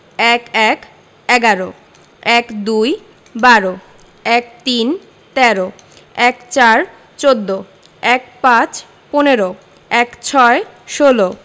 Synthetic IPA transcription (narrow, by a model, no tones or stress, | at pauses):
ɛkɛk | ɛɡaɾo | ɛkd̪uj | baɾo | ɛkt̪in | t̪ɛɾo | ɛkt͡ɕaɾ | t͡ɕod̪ːo | ɛkpãt͡ɕ | poneɾo | ɛkt͡ɕʰɔe | ʃolo